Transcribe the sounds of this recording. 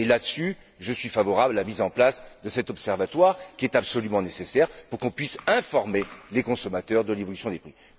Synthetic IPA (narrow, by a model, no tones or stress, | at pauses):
elad̪əsy | ʒəsɥifavɔʁablalamizɑ̃plasd̪əsɛt̪ɔpsɛʁvat̪waʁkʲiɛt̪apsɔlymɑ̃nesesɛʁpuʁkɔ̃pɥisɛ̃fɔʁmelekɔ̃sɔmat̪œʁd̪əlevɔlysjɔ̃d̪epχi